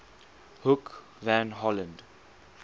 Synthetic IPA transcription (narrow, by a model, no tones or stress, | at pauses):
hʊk | vãnɦɔlə̃nd